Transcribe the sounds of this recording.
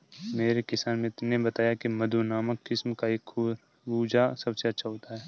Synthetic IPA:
meːɾekɪsaːnmẽnebɐt̪aːjakimɐd̪ʱunaːməkːɪsmkaeːk | ɾuːd͡ʒasɐbseɐt͡ʃʰaɦot̪aɦɛː

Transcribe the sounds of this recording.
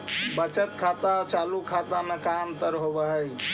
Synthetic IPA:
bət͡ʃət̪kʰat̪at͡ʃalukʰat̪amekamt̪əɾɦobəɦəj

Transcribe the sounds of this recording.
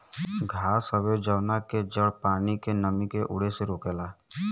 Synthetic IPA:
ɡʱaːsəbed͡ʒəwnaked͡ʒəɽpaːnikenəmikeʔʊ̰ɽeseɾoːkeːlaː

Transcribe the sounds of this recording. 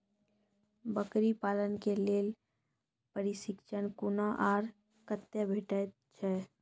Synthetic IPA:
bəkɾipaːlənkeleːl | pəɾisɪkt͡ʃʰənkunaʔaːɾ | kət̪jəbʱeʈɛ | t͡ʃʰɛ

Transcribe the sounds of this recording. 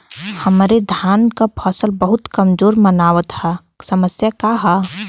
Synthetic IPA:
həmɾed̪ʱjaːnkapʰɔsəlbəɦʊt̪kəmd͡ʒoːɾmənaːʋət̪hɛ | səməsjakaɦa

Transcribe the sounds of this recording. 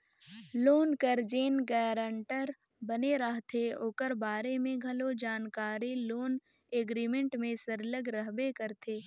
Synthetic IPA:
loːnkəɾd͡ʒeːnɡɛːɾəɳʈəɾ | bɐneɾəɦt̪ʰeoːkəɾbaːɾemẽɡʱɐlod͡ʒaːnkaːɾiloːn | eːɡɾiːmẽɳʈmẽsəɾləɡɾɐɦbekəɾt̪ʰeː

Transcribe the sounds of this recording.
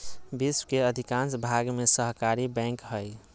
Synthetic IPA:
biswkeəd̪ʱikãnsbʱaɡmesəɦkaɾibɛ̃kɦəj

